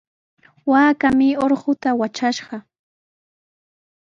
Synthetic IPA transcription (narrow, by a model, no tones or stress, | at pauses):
waːkamɪoɾɢʊt̪awat͡ʃaʃɢɑ